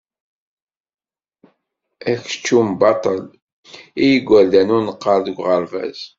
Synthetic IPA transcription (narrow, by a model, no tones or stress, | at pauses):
æç̥t͡ʃːumbɑt̪ˤəl | ijəɡʷːælðænʊɾnəqːəɾˤðəɡʷʁəɾvæ̰z